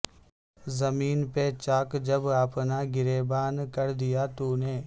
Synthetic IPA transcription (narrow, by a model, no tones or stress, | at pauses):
zɐmiːnpet͡ʃaːkd͡ʒɐbaːpnaɡɪɾeːbaːnkɐɾd̪ijat̪uːneː